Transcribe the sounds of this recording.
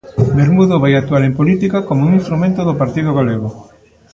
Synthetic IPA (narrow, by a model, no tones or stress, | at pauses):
beɾmuðoβajak̚t̪uaɾempolit̪ikakomouŋĩnst̪ɾumẽnt̪oðopaɾt̪iðoɣaleɣo